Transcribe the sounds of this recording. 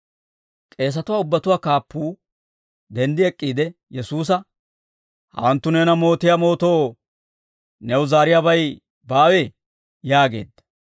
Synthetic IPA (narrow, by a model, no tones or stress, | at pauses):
kʼe̞ːs̬ɐt̪ʊwaːʊbːɐt̪ʊwaːkaːpːuː | d̪ɛnd̪ɪɛkʼːiːd̪ɛjɛsuːs̬ɐ | hɐ̰wɐnt̪ːʊneːnɐmo̞ːt̪ɪjamo̞ːt̪o̞ː | nɛwʊzaːɾɪjabɐj | baːwɛ | jaːɡe̞̰ːd̪ːɐ̥